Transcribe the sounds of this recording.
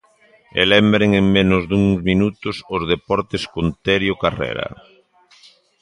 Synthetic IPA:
ḛlɛmbɾeŋeŋmẽnʊzðuŋzminut̪ʊsʊzð̞epɔɾt̪eskont̪eɾjokarḛɾɐ̰

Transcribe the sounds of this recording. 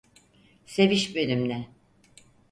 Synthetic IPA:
se̞viʃbønymlɛ

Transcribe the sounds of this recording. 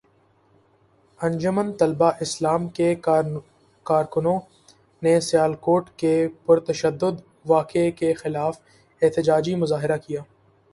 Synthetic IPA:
ɐ̃nd͡ʒʊmənt̪ɐlbaʔɪslaːmke | kaːɾkʊnõ | nesɪjaːlkoːʈkepʊɾt̪ɐʃəd̪ːʊd̪ | ʋaːkekexɪlaːf | ɛɦt̪ɪd͡ʒaːd͡ʒimʊzaːɦɪɾakijaː

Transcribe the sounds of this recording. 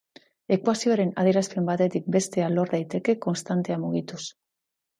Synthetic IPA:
ekwasieɾena̰ðeɾasfɾimpat̪et̪ik̚best̪ealoɾðajt̪ekekonst̪ant̪eamuɣit̪us

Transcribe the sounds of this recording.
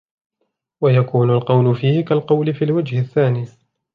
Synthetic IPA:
wajakuːnʊlqɑwlʊfiːhɪkalqɑwlɪfiːlwad͡ʒhɪθːaːniː

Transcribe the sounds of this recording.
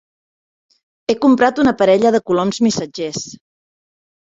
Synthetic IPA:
ekumpɾat̪unəpəɾɛʎəðəkulɔmzmisəd͡ʒes

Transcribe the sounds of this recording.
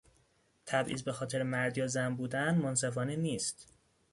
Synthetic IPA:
t̪ʰæbʔḭːzbe̞xɒːt̪ʰe̞ɾemæɾd̪ijɒːzæmbuːd̪ænmons̬e̞fɒːneniːst̪

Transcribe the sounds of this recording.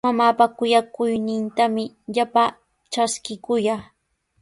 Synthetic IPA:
mamaːpakʊjakʊjnɪnt̪amɪ | ʎapa | ʈ͡ʂaskɪkʊja

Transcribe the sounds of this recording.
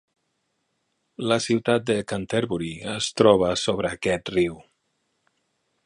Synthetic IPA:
ləsiwt̪at̪̚d̪əkant̪eɾβuɾiəst̪ɾɔβ̞əsoβɾəːkɛt̪riw

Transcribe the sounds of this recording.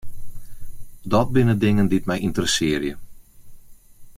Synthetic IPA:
dɔt̚bɪnədɪŋəndit̚mɛjintərəsɪərjə

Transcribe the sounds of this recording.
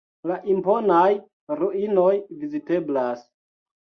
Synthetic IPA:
laʔimpo̞naj | ɾuʔinojvizite̞blas

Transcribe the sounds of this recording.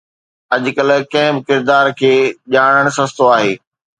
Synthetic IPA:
ɐʄkɐlkɐ̃ɦɪ̃bɪkɪɾd̪aːɾkʰeːʄaːɽ̃əɽ̃sɐst̪oaːɦeː

